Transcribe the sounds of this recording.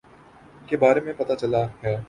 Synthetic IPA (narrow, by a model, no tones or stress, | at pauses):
kebaːɾemẽpɐt̪at͡ʃɐlaɦɛː